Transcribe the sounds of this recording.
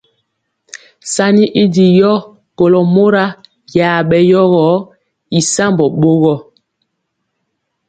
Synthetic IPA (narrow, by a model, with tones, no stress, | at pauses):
sa˦ni˦ʔi˦di˨jɔ˦ | ko˨lɔ˨mo˦ɾa˦ | ja˨ɓɛ˨jɔ˦ɣɔ˨˦ | i˨sa˦mbɔ˨ɓo˦ɣɔ˦